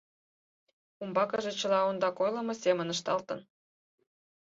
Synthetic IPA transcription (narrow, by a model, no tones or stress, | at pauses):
umbɑkəʒet͡ɕəlɑond̪ɑkojlə̆mosemənəʃt̪ɑlt̪ə̰̆n